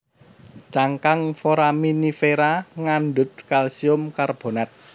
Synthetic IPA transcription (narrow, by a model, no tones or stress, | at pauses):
t͡ʃaŋkaŋfoɾaminifeɾaŋanɖʊt̪̚kalsiʊmkarb̥o̤nat̪̚